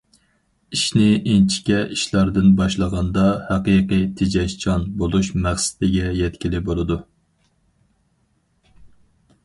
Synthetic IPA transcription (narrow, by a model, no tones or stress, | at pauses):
iʃnɪʔent͡ʃʰi̥kʲɛʔiʃlˠɑɾd̪ɨnbɑʃlˠəʁɑnd̪ɑhæqijqɨjt̪ʰed͡ʒɛʃt͡ʃʰɑnbolˠuʃmæχsɪ̥d̪ɪɡʲɛjɛt̪kʲilɪbolˠɨd̪u